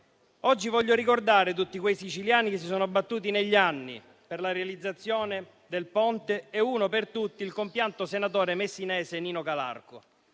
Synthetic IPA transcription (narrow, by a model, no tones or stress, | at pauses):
ɔd͡ʒːivɔʎːoɾikord̪aːɾet̪̬ut̪ːikwejsit͡ʃiljaːnikes̬ːisɔːnoabːat̪ːuːt̪̬ineʎːianːḭ | perlaɾealid̪zːat̪sːjɔːne | d̪elpɔnt̪eɛuːnopert̪ut̪ːiːlkompjant̪osenat̪ɔːɾemesːinɛːseniːnokala̰rko